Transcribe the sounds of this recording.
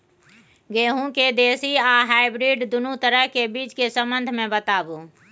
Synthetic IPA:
ɡeːɦũked̪eːsiaɦaːɪbɾiɖd̪ʊnut̪əɾəɦkebiːt͡ʃkesə̃mbənd̪ʱmẽbət̪aːbu

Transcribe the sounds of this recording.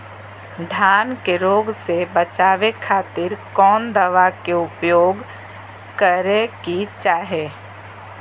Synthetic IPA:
ɖʱaːnkeɾoːɡsebət͡ʃaːʋekʰaːt̪ɪɾkɔːnd̪əʋakeʊpjoːɡ | kəɾekit͡ʃaːɦeː

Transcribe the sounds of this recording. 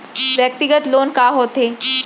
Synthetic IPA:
ʋjək̚t̪iɡət̪loːnkaːɦoːt̪eː

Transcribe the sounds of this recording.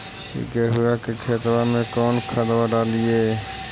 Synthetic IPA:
ḭkeɦʊakekʰeːt̪wamẽkɔːnkʰəd̪waɖaːlijeː

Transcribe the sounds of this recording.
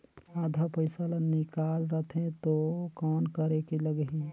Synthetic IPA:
ad̪ʱapəɪsalənːɪkalɾət̪ʰẽt̪okɔːnkəɾekeləɡɦi

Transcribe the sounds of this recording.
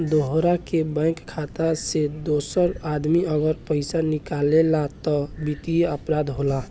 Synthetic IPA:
d̪oɦɾakebɛ̃ːkkʰːat̪ased̪oːsəɾad̪miəɡəɾpəɪsanɪkalelat̪ɔbit̪iəpɾaːd̪ɦola

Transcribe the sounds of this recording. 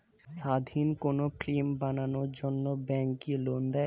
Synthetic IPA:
ʃad̪ʱinkonoflimbananoɾd͡ʑonːobɛŋkilond̪a

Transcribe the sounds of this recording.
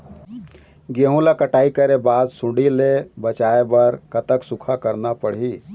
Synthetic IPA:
ɡeɦũlakəʈaːikəɾebaːd̪sʊ̃ɖilebət͡ʃaːebəɾkət̪əksukʰakəɾnapəɽ̤ɦi

